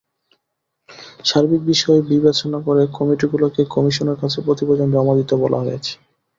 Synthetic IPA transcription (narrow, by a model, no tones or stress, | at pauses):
ʃaɾbik̚biʃɔebibet͡ɕonakoɾekɔmiʈiɡulokekɔmiʃoneɾkat͡ɕʰepɾot̪ibod͡ʑond͡ʑɔmad̪it̪obɔlʔa̰ɦojet͡ɕʰe̥